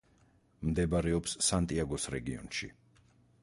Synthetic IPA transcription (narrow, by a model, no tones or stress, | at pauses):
md̪ɛbaɾɛɔpssant̪ʼiaɡɔsɾɛɡiɔ̰nʃḭ